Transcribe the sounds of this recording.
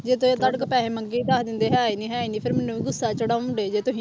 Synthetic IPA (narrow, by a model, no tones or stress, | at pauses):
d͡ʒeːt̪ʊẽːd̪əɽəkpɛːɦẽːməŋɡiːd̪aːkd̪ɪnd̪eːɦaːiːnĩːɦaːiːnĩːpʰɪɾmɪnːũːiːɡʊsːaːt͡ʃəɽaːɳɖeːd͡ʒeːt̪ʊsĩ